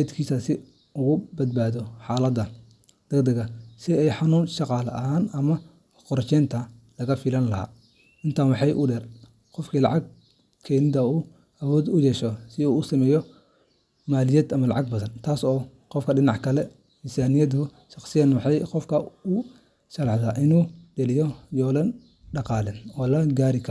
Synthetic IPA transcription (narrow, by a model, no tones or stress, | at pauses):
d̪kʰiːsɐsɪ | ʊɣʊbɐd̪̚baːðɔħɑːlɐd̪ɐ | d̪̥ɐɡd̪ɐɣɐsɪɛjħɑnuːnʃɑqɑːlɐ̰ʔɐɦaːnɐmɐ | qɔɾt͡ʃɛːnt̪ʰɐ | lɐɣɐfɪlɐnlɐɦa̰ː | ɪnt̪ʰaːnwɑħɑjʔʊɖɛr | qɔfkʰiːlɑʕɑɡ̚ | kʰɛnɪd̪ɐuː | ʔɐwɔːd̪ʊjɛʃɔsɪuːsɐmɛːjɔ | maːlɪjɛːd̪ɐmɐlɑ̰ʕɑɡ̚bɐðɐnt̪ʰaːsɔː | qɔfkʰɐɖɪnɑʕkʰɐlɛ | ɪnsaːnɪjɐd̪hʊ | ʃɑqsɪjɐːnwɑħɑjqɔfkʰɐʊ | ʃɐlɑħd̪aːʔɪnuːɖɛlɪjɔjɔːlɐn | ɖɑqɑːlɛːnɔːlɐɡaːɾɪkʰɐɾ